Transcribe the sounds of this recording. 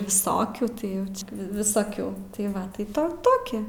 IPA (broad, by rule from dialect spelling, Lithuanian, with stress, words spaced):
ʋʲɪˈsoːkʲuː tɐɪ ˈjɛʊt͡ʃ ʋʲɪsɐˈkʲuː tɐɪ ˈʋɐ tɐɪ ˈtoː ˈtoːkʲɪ